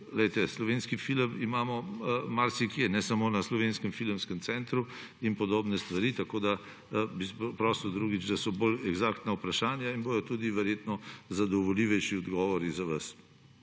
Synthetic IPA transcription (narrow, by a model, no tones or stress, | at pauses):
lɛjt̪ɛslɔʋeːnskifiləmimaːmɔmaɾsikjɛnɛsamoːnaslɔʋenskəmfilmskɛmt̪sɛnt̪ɾu | inpɔd̪oːbnɛst̪ʋaɾit̪akod̪a | bispɔpɾɔːsiwd̪ɾuɡid͡ʒd̪asɔbolɛɡzakt̪naupɾaʃaːnjainboːd̪ɔt̪ud̪iʋɛɾjeːt̪nɔzad̪ɔʋɔliʋɛjʃiɔd̪ɡɔʋɔɾizaʋas